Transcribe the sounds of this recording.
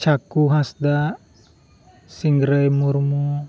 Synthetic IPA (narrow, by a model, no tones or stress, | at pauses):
t͡ʃakuɦasd̪a | siŋɡɾəjmurmu